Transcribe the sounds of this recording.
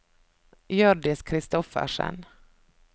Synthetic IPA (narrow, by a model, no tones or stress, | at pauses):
jœɖɪskʰɾɪst̪ɔfə̰ʂɛ̰n